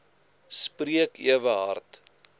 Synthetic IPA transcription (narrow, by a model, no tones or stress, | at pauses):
spriəkiəvəɦɐ̰rt